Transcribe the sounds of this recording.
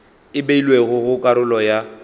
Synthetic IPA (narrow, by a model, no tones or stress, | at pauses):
ɪbeilweɣʊɣʊkʼaɾʊlɔja